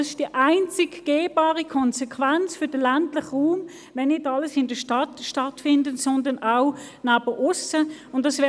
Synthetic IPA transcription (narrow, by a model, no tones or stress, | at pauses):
sɪʃd̥iʔaɪnt͡sɪɡɡ̥eːbɑːʁikʰɔnsɛkʰʋant͡sfʏd̥əlantlɪχʁuːm | ʋɛnːɪtɑləsɪndəʃtɑtʃtɑtfɪndənsɔndənaʊ | naːb̥əʔʊsəʊntdɑsʋɛː